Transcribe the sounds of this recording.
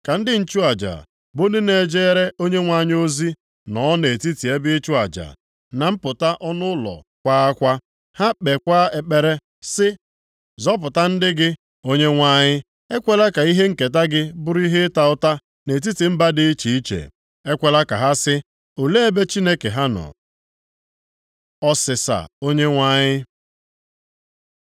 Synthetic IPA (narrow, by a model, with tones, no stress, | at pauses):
ka˨n̩˦dɪ˦n̩˨t͡ʃu˦a˨d͡ʒa̰˨ | bo˦nɪ˦ne˨d͡ʒe˦ɾe˦o˦ɲe˦ŋʷa˦˨ɲɪ˦o˦zi˦ | nɔ˨˦ne˨ti˦ti˨e˦bɪ˦t͡ʃu˦a˨d͡ʒa̰˨ | na˨m̩˦pʊ˨ta˦ʔɔ˦nʊ˦lɔ̰˨ | kʷa˦a˦kʷa˦ | ha˦k͡pe˨kʷa˦e˨k͡pe˨ɾe˦ | sɪ˦ | zɔ˦p̬ʊ˨ta˦n̩˦dɪ˦ɡɪ˦ | o˦ɲe˦ŋʷa˦ɲɪ˦ | e˦kʷe˨la˦ka˨i˦ɦe˦ŋ̩˦˨ke˨t̬a˦ɡɪ˦bʊ˦ɾi˦ɦe˦ta˨ʊ˦ta˦ | ne˨t̬i˦ti˨m̩˦ba˦dɪ˦i˦t͡ʃi˨i˦t͡ʃḛ˨ | e˦kʷe˨la˦ka̰˨ɦa˦sɪ˦ | o˨le˦e˦be˦t͡ʃi˦ne˦ke˨ɦa˦nɔ̰˨ | ɔ˦sɪ˨sa̰˨o˦ɲe˦ŋʷa˦ɲɪ˦